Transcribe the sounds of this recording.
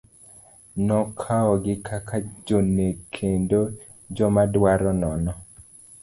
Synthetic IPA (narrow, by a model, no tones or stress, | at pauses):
nɔkʰaɔɡɪkʰakʰad͡ʒonekʰendo | d͡ʒɔmadwaɾɔnɔnɔ